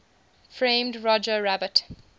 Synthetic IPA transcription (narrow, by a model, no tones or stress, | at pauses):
fɹẽɪ̃mdɹɔd͡ʒəɹæbət